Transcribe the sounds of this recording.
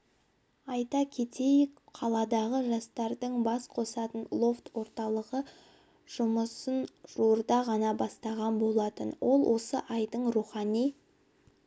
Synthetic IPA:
ɑjt̪ɑkʲʰe̞t̪ʰe̞jɪkqʰɑlˠɑd̪ɑʁəʒɑst̪ɑɾd̪əɴbɑsqʰo̞sɑt̪ənlˠo̞ft̪wo̞ɾt̪ɑlˠəʁə | ʒ̥ʊməsənʒ̥uɾd̪ɑʁɑnɑbɑst̪ɑʁɑnbo̞lˠɑt̪ənwʔo̞lˠwʔo̞səʔɑjd̪əɴruχɑnij

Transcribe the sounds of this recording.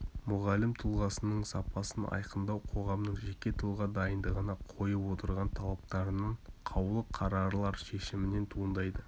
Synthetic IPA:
mʊʁɑlːɪmt̪ʰəlˠʁɑsənəɴsɑpɑsənʔɑ̰jqənd̪ɑwqʰo̞ʁɑmnəɴʒe̞kʲe̞t̪ʰəlˠʁɑd̪ɑjənd̪əʁənɑqʰo̞jəpwo̞t̪əɾʁɑnt̪ʰɑlˠɑp̚t̪ɑɾənəɴqʰɑwlˠəqʰɑɾɑɾlˠɑɾʃe̞ʃɪmɪne̞nt̪ʰuənd̪ɑjd̪ə

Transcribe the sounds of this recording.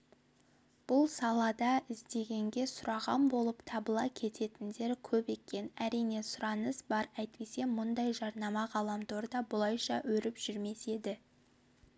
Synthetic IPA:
b̥ʊlˠsɑlˠɑd̪ɑɪzd̪e̞ɡʲe̞ŋɡʲe̞sʊɾɑʁɑmbo̞lˠəpt̪ʰɑbəlˠɑkʲʰe̞t̪ʰe̞t̪ɪnd̪e̞ɾkʲʰɵpe̞kʲe̞næɾijne̞sʊɾɑnəsbɑɾæjt̪̚pese̞mʊnd̪ɑjʒɑɾnɑmɑʁɑlˠɑmt̪ʰoɾd̪ɑbʊlˠɑjʃɑwɵɾɪpʒ̥ʏɾme̞se̞d̪ɪ

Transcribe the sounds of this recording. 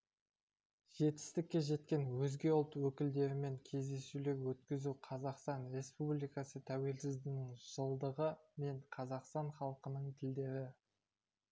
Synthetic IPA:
ʒ̥e̞t̪ɪ̥st̪ɪkʲːe̞ʒe̞t̪kʲe̞nwɵzɡʲe̞olˠt̪wɵkʲɪld̪e̞ɾɪme̞ŋkʲʰe̞zd̪e̞sule̞ɾwɵt̪kʲɪzuqʰɑzɑqst̪ɑnɾe̞spublʲijkɑsət̪ʰæwe̞lsɪzd̪ɪnɪɪŋʒ̥əlˠd̪əʁəme̞ɴqʰɑzɑqst̪ɑɴχɑlˠəqənəɴt̪ʰɪld̪e̞ɾɪ

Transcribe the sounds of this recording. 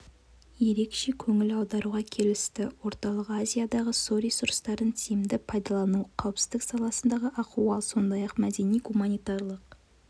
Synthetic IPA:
je̞ɾe̞kʃe̞kʲʰɵŋɪlɑwd̪ɑɾuʁɑkʲʰe̞lɪst̪ɪwo̞ɾt̪ɑlˠəqazʲijad̪ɑʁəsoɾisuɾst̪ɑɾd̪ənt̪ʰijɪmd̪ɪpʰɑjd̪ɑlˠɑnuqʰɑwpsɪ̥zd̪ɪksɑlˠɑsənd̪ɑʁəʔɑquɑlˠso̞nd̪ɑjɑqmæd̪e̞nijɡumɑnijt̪ɑrlˠəq

